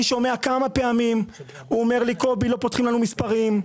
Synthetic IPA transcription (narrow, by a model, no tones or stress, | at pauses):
iʃo̞me̞akamape̞amim | uome̞ʁliko̞bilo̞pot̪χimlanumispaʁim